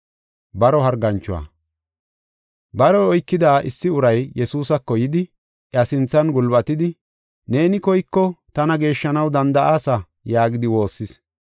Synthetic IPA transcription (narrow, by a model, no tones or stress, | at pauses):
bɐɾɔɦɐɾɡɐnt͡ʃːʊwa̰ː | bɐɾɔːjkːɪd̪aːʔɪ̰sːɪʊɾɐjjɛsuːsɐkːɔjɪd̪ɪ | ʔɐsɪnt͡sːɐnɡʊlbɐt̪ɪd̪ɪ | ne̞ːnɪkɔjkːɔt̪ɐnɐɡe̞ːʃːɐnɐwd̪ɐnd̪ɐʔaːsɐ | jaːɡɪd̪ɪwo̞ːsːɪs